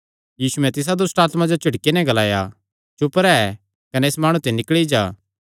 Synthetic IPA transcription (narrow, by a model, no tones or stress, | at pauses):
jiːsuɛ̃t̪ɪs̬ad̪ʊsʈaːt̪mãd͡ʒot͡ʃʰɪɽkenɛ̃ɡɐlaːja | t͡ʃʊpəɾɛɛ | kɐnɛːsmaːɽ̃ũt̪enɪkɭid͡ʒaː